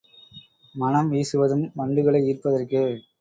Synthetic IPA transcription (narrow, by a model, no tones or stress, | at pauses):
mɐnɐmʋiːsɯʋɐðɯmʋɐɳɖɯɣɐɭɐɪiːrpːɐðɐrkɯ